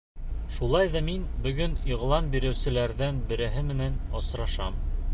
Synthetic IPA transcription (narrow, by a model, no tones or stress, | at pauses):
ʃulˠɑjðɑminbɵ̆ɡɵniʁlˠɑnbiɾɘ̆wsɘ̆læɾðænbɘ̆ɾæɦɘmɘ̆nænɑsɾɑʃɑm